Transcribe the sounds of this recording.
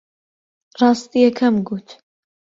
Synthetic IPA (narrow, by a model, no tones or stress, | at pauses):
rɑːst̪ijɛkʰɐmɡuːt̪ʰ